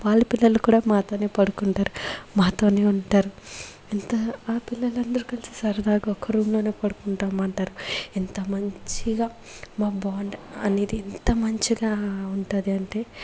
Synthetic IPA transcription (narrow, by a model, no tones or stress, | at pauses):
ʋaːlːupilːɐlukuːɽaːmaːt̪o̞ːne̞ːpɐɽukuɳʈaːɾumaːt̪o̞ːne̞ːuɳʈaːɾu | int̪ɐaːpilːɐlɐnd̪ɐɾukɐlisisɐɾɐd̪aːɡuɔkːɐɾuːmlo̞ːne̞ːpɐɽukuɳʈaːmɐɳʈaːɾuint̪ɐmɐɲt͡ʃiɡaː | maːbaːɳɖɐneːd̪iːnt̪ɐmɐɲt͡ʃiɡaːuɳʈad̪iɐɳʈe̞ː